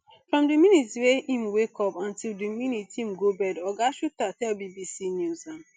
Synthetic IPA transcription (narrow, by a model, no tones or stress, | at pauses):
fɹɔ̃mdɨminitweĩmwekɔpãntildiminitĩm̩ɡobɛdɔɡaʃuk̚tatɛlbibisinjuzãm